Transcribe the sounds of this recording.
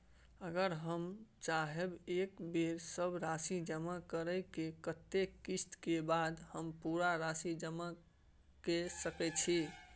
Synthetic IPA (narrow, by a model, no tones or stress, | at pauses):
əɡəɾɦəmt͡ʃaɦebekbeɾsəbɾasid͡ʒəmakəɾəjkekət̪ːekist̪kebad̪həmpuɾaɾasid͡ʒəma | kesəkɛt͡ʃʰi